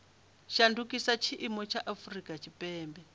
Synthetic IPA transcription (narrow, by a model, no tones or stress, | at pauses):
ʃandukʼisat͡ʃʰiʔimɔt͡ʃʰaʔafurikʼat͡ʃʰipʼɛːmbɛ